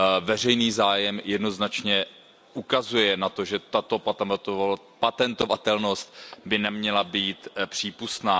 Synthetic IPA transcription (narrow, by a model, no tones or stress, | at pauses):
vɛr̝ɛjniːzaːjɛmjɛdno̞znat͡ʃɲɛ | ʔukazujɛnat̪o̞ʒɛt̪at̪o̞pa | pat̪ɛnt̪o̞vat̪ɛlno̞st̪̚bɪnɛmɲɛlabiːt̪pr̝̥iːpust̪naː